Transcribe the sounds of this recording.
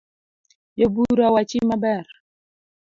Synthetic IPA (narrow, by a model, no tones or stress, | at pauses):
jəbuɾawat͡ʃimabɛɾ